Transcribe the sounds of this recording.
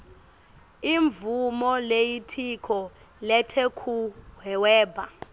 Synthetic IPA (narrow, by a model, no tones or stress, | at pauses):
iɱvumɔlejitʰikʰɔ | lɛtʰekʰuɦɛwɛːbʱa